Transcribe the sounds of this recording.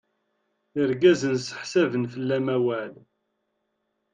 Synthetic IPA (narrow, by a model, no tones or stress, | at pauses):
əɾɡæzənsə̥ħsævənfəlːæmæwæl